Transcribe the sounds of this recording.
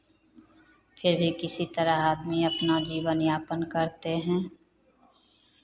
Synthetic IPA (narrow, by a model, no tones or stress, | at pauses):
pʰɪɾbʱikɪsit̪əɾaaːd̪miɐpnad͡ʒiːʋənjaːpənkəɾt̪eɦɛ̃ː